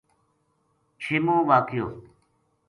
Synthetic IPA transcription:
t͡ɕʰimõːʋaːkʰijoː

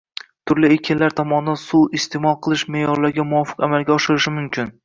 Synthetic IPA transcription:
t̪ʰʊɾlɪekʲʰɪnlaɾt̪ʰɒmɒnd̪ansuɪst̪ʰemɒqʰɨlˠɪʃmejɒɾlaɾɡʲamʊwɒfɨ̥qamalˠɡʲaɒʃɪɾɪʃɪmʊmkʲʰɪn

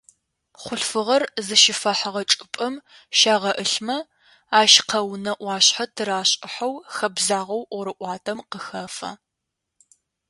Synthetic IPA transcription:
χʷʊɬfɨʁɐrzɨʃɪfɐħaʁɐt͡ʃʼɨpʼɐm | ʃaːʁɐʔɨɬmɐ | aːʃqʰɐwnɐʔʷɑːɕħatʰɨɾaːɕʼɪħɐwxɐbzaːʁɐwʔɾɨʔʷɑːtʰɐmqəxɐfɐ̰

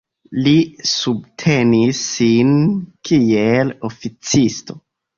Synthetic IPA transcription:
lisub̚tʰenisːinkʰielofit͡sisto̞

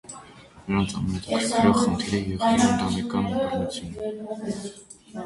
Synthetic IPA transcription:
nəɾɑnt͡sʰɑ̰mɛnɛt̪ʰkʰɾkʰɛɾɔʁχənt̪ʰiɾəjɛʁiɛnd̪ɑnɛkɑnnut͡sʰjun

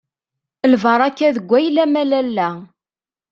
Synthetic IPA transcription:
lvəɾˤɑkːæðəɡʷːæjlæmælælːæ

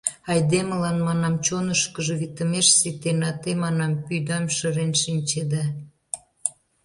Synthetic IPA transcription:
ɑjd̪eməlɑnmɑnɑmt͡ɕonəʃkəʒəβit̪ə̆meʃset̪enɑt̪emɑnɑmpyjd̪ɑmʃəɾenʃinʲt͡ɕed̪ɑ

